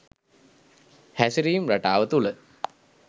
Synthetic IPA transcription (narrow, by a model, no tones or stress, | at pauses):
hæsiɾiːmɾaʈaːʋət̪ulə